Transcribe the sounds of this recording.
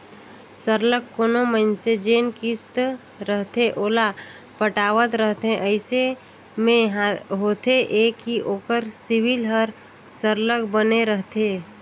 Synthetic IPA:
səɾləkːonomənsed͡ʒeːnkɪst̪ | ɾəɦt̪eʔoːla | pəʈaːʋət̪ɾəɦt̪ẽʔəɪse | mẽɦɦoːt̪eʔeːkiʔoːkəɾsɪwilɦəɾ | səɾləkbəneɾəɦt̪eː

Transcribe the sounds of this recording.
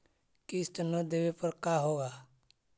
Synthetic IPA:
kɪst̪ənəd̪eːʋepəɾkaːɦoːɡaː

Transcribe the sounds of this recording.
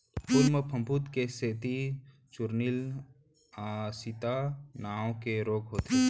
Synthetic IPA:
pʊɾməpʰə̃mbut̪keseːt̪i | t͡ʃʊɾnil | asit̪anaːõkeɾoːɡɦoːt̪e

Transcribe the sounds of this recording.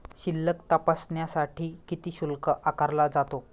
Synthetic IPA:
ɕilːəkt̪apasɳjasaʈʰiːkit̪iːɕulkəʔakaɾlad͡zat̪o

